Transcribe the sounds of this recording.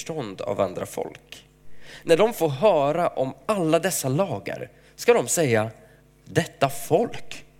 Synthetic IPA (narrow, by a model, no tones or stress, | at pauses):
ʈɔnd̪a̰va̰nd̪ɾa̰fɔ̰lk | næɖɔmfoːɾɦœːɾaʔɔmalːad̪ɛsːalɑːɡə̰ɾ | skad̪ɔmsɛjːa | d̪ɛt̪ːafɔlk